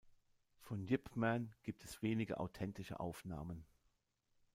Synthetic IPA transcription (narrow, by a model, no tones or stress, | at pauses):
fɔnjɪpmɛnɡ̥iːp̚tʰɛsv̥eːnɪɡə̰ʔa̰ʊtʰɛntɪʃə̰ʔa̰ʊfna̰ːmən